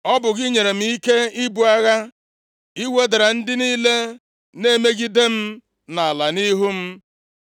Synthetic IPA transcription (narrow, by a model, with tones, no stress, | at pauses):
ɔ˦bʊ˨ɣɪ˦ɲe˨ɾe˨m̩˨i˦ke˦i˦bu˨a˦ɣa˦ | i˦we˦de˨ɾa˨n̩˦dɪ˦niː˦le˦ | ne˦me˦ɡi˦de˦m̩˦ | na˨a˨la˨ni˦ɦu˦m̩˦